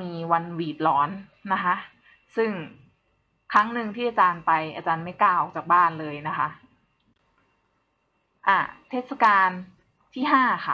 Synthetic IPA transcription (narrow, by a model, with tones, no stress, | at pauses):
miː˧wa˧nwiː˨˩t̪̚lɔː˦˥nː | a˦˥kʰa˦˥ʔ | sɯ˥˩ŋ | kʰɾa˦˥ŋnɯ˧ŋt̪ʰiː˥˩aː˧t͡ɕaː˧npa˧jʔaː˧t͡ɕaː˧nma˥˩jklaː˧˩˨wɔː˨˩k̚t͡ɕaː˨˩k̚baː˥˩nlɤː˧jna˦˥kʰa˦˥ʔ | ʔaː˧˩t̪ʰeː˦˥˩t̪̚sa˧kaː˧n | t̪ʰiː˥˩ɦaː˥˩xʰa˦˩